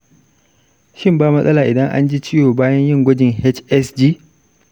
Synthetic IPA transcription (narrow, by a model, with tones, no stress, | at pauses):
ʃɪ˦mbaː˦mɐ˦sʼɐ˦laː˨ʔɪ˨dɐ˦ŋʔa̰˦nd͡ʒiː˦t͡ʃɪ˦joː˨baː˦jɐ˦ɲjɪ˦˨ŋɡʷɐ˦d͡ʒɪ˨ŋhɛ˦t͡ʃɛ˦sd͡ʒiː˦